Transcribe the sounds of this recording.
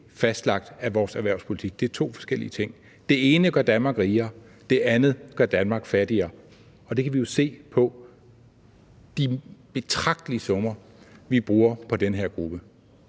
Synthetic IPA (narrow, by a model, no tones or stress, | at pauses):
fæsd̥lɑ̈ɡ̥̚d̥æʋɒːsæʋæɐʊspʰo̝li̥t͡sʰiɡ̥̚d̥e̝æɐt͡sʰo̝̰ːfɒ̽sɡ̥el̰ḭət͡sʰe̝ŋ̰ | d̥e̝e̝ːnəɡ̥ɶɐ̰d̥ænmɑ̈ːɡ̥ʁiːɐː | d̥e̝ʔænð̩ˠɡ̥ɶɐ̰d̥ænmɑ̈ːɡ̥fæɐdiɐː | ɒ̽d̥e̝kʰæʋijo̝se̝̰ːpʰɒ̽ | d̥ib̥e̝t͡sʰʁɑ̈ɡ̥̚d̥əliəsɒ̽mɐ | ʋib̥ʁuːɐpʰɒ̽d̥enəɦeɐ̰ɡ̥ʁub̥ə